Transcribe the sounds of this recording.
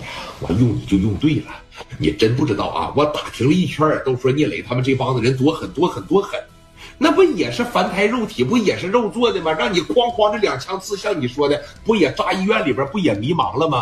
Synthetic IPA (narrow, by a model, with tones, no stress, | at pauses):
wɔ̰˧˩jʊ˥˩ŋnḭ˨˩t͡ɕjo˥˧ʊjʊ˥˧ŋt̪we˥˩ɪlə˩ | njɛ̰˨˩ʈ͡ʂə˥np̬u˥˩ʈ͡ʂɻ̩˧˥t̪ɑ̰˥˩ʊʔɐ̰˧wɔ˧˥˩t̪a˨˩t̪ʰi˧˥ŋlə˧i˥˩t͡ɕʰɥə˥˩t̪o˥ʊʂʂwɔ˥njɛ˥˩le˧˥ɪt̪ʰa˥mə˨nʈ͡ʂɤ˥˩fɑ˥ŋd̪ə˨ɻə˧˥nt̪̬wɔ˥xə˨˩nt̪wɔ˥xə˨˩nt̪wɔ˥xə˨˧˥n | na˥˧pu˥jɛ˨˩ʂɻ̩˥˩fa˧˥nt̪ʰa˧˥ɪɻo˥˩ʊt̪ʰi˨˩˦pu˥˩jɛ˨˩ʂɻ̩˥˧ɻo˥˧ʊt͡swɔ˥˧d̪ə˨mɐ˩ɻɑ˥˩ŋni˨˩kwɑ˥ŋxwɑ˧˥ʈ͡ʂɤ˥˩ljɑ˨˩ŋt͡ɕʰjɑ˥ŋt͡sʰɹ̩˥˧ɕjɑ˥˩ŋni˨˩ʂwɔ˥d̪ə˨˩pu˥˩jɛ˨˩ʈ͡ʂa˥i˥˧ɥɛ˥˩nli˨˩bə˞˧˥pu˥˩jɛ˨˩mi˧˥mɑ̰˧˥ŋlə˧mɐ˨